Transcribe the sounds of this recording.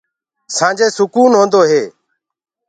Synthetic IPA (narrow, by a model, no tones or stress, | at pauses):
sãːnd͡ʒeːsʊkuːnɦõːnd̪oːɦeː